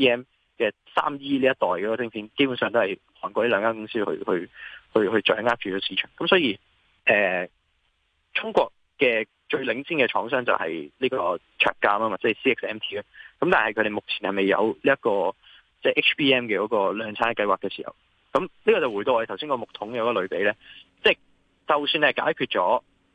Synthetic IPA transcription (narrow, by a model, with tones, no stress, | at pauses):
pʰiː˥ɛː˥m | kɛː˧ | sa̰ː˥mjiː˥liː˥jɐ˥t̚t̪ɔː˨˩jkɔː˨˥kɔː˧t͡sɪ˥ŋpʰiː˨˥nke˥jpu˨˥nsœː˨ŋt̪o˥hɐ˨˩j | hɔː˨˩nkʷɔː˧li˥lœː˨˧ŋkaː˥ŋkʊ˥ŋsiː˥hɵ̰˧ɥhɵ˧ɥhɵ˧ɥhɵ˧ɥt͡ʃœ̰ː˨˥ŋaː˥k̚t͡ʃyː˨˩t͡ʃɔː˨˥siː˨˧˥t͡ʃʰœ̰ː˨˩ŋkɐ˦msɔː˨˥jiː˧ | ʔɛː˨ | t͡sʰʊ˥ŋkʷɔː˧k̚ːɛː˧ | t͡ʃɵ˧ɥlɪ˨˥ŋsiː˥nŋkɛː˧t͡ʃʰɔː˨˥ŋsœː˥ŋt͡sɐ̰˨whɐ̰˨jliː˥kɔː˧ | t͡ʃʰœ̰ː˨˩kːaː˧maː˧waː˨kt͡sɛː˥˨˩siː˥ɪ˥ksɛː˥mt̪ʰiː˥a˧˥kɐ˧mt̪aː˨nhɐ˨kʰɵ˨˧ɾe˨˩mʊ˨k̚t͡sʰiː˨˩nhɐ˨˩jmɐ˨˩jːɐ̰˨˧wliː˥jɐ˥t̚kɔː˧ | t͡sɛː˥˧˩ʔɪ˥kt͡ʃpʰiː˥ɛː˥mkɛː˧kɔː˨˥kɔː˧lœː˨˧ŋt͡sʰaː˥kɐ˧jwaː˨kɛː˧siː˨˩hɐ̰˨˩w | kɐ˨˥mliː˥kɔː˨˧t͡sɐ˨wuː˨˩jt̪oː˧wjt̪ʰwsi˥ŋkɔː˧mʊ˨k̚t̪ʰʊ˨˥ŋjɐ˨˧wkɔː˧lɵ˨˧ɥpe˨˥jlɛː˥t͡sɛː˥˩ | t͡sɐ˨˩wsyː˧nɛ˥˧˩ka̰ː˨˥jkʰyː˧t̚t͡ʃɔː˨˥